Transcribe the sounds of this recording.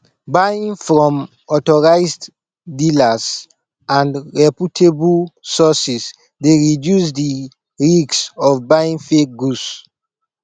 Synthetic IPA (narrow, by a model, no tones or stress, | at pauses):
baĩŋfɹɔ̃m | ɔtɔɹaɪsd | dilas | ãndɹɛputʰebusɔsis | deɹidjus̬di | ɹiɡsɔvbaĩŋfek̚ɡus